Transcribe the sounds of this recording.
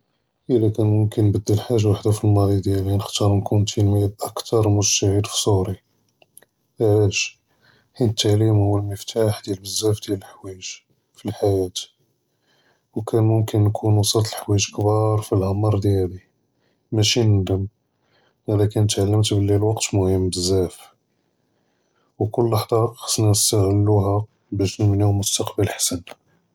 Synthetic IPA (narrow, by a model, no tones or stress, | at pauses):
ʔəlːækænmʊmkənːbəd̪ːəlħaʒawaħd̪afilmɑd̪ˤid̪jælinəxt̪ɑɾˤnkunt̪ʰinwjæd̪ʔɑkt̪ɑɾˤmʊʒt̪æʕid̪fi̥sˤoɾi | ʔælæʃ | ħinət̪ːaʕlimhʊwːəlməft̪ʰaħd̪jælbəzːæfd̪jæləlħwæʒ | filħajæt̪ | wkʰænmʊmkənːkʰunwɑsˤɑt̪ˤəlħwæʒkbɑɾˤfilhɑmɑɾˤd̪jæd̪i | mæʃinənd̪əm | hæd̪ækænət̪ʕalːəmt̪bəlːilwɑqt̪mʊhəmːbəzːæf | wkʊlːɑħd̪ˤɑxɑ̥sˤnænəst̪aɣəlːuɦæ | bæʃnəmnihmʊst̪ɑqbəlħḁsən